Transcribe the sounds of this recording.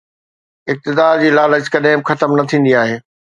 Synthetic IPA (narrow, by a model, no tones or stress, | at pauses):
ɪk̚t̪ɪd̪aːd͡ʑiːlaːləd͡ʑkɐɗɪ̃bɪxɐt̪əmnɐt̪ʰĩːn̆d̪iaːɦeː